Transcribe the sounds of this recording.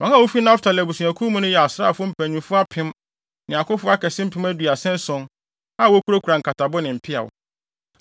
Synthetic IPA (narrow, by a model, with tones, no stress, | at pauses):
wɔ̃˨˦ŋã˦˨wo˦fi˦nã˦ftʰa˨læ˨bu˨sũ˨æ˨kʰũ˦mũ˦nʊ̃˦jɛ˨a˨sɾaː˦˨fʊ˦m̩˨pʰæ̃˨ɲũ˨mfʊ˦a˦pʰɪ̃˦m | nɪ̃˨ã˨kʊ˦fʊ˦a˦kɛ˨sɪ̃˦m̩˦pʰɪ̃˦mæ˦dɥa˨sɛ̃˦n˦sɔ̃˨n | a˦˨wo˦kʰu˦ɾo˦kʰu˨ɾa˨ŋ̩˨kʰa˨tʰa˨bʊ˦nɪ̃˨m̩˨pʰɪ˦a̰˨wʊ̰˨